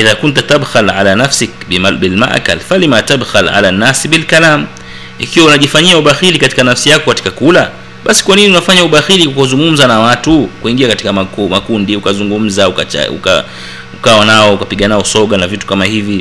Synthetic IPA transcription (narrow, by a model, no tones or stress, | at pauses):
ʔiðakunt̬ut̪abxalʕa̰laːnafsɪkabilma̰ʔka̰lfalimat̪abxalʕa̰lanːasiɓilkalam | ḭkiwaunaʄifaɲiauɓaxilikati̥kanafsijakɔkati̥kakula | ɓasi̥kwaniniunafaɲauɓaxilikakuzuŋɡum̩zanawatukuiŋɡiakatikamakumakundiukazuŋɡum̩zaukaa̰ṵka̰ | ukawanaɔukapiɠanaɔsɔɠanavitu̥kamahivi